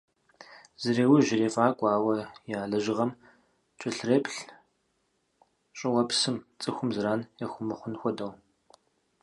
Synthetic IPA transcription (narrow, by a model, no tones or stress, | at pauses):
zɨɾeːwiʒɪreːfʼaːkʷʼɑːwɐjaːɮɐʒɪʁɐm | t͡ʃʼɪɬreːpɬ | ɕʼɪwɐpsɨmt͡sʼɨxʷʊmzɨɾaːnjɐxʷʊmɨχʷʊnxʷɔdɐw